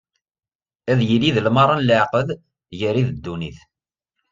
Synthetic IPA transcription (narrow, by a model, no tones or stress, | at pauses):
æðjəliðəlmɑɾˤɑnləʕqəð | jəɾiðəd̪ːuniθ